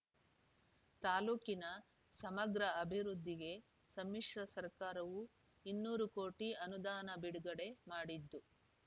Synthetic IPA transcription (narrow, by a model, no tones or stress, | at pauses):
t̪aːluːkinɐ | sɐmɐɡɾɐɐbʱiɾud̪ʱːiɡe̞ | sɐmːiʂɾɐsɐɾkaːɾɐʋu | inːuːɾukoːʈiɐnud̪aːnɐbiɽuɡɐɽe̞maːɽid̪ːu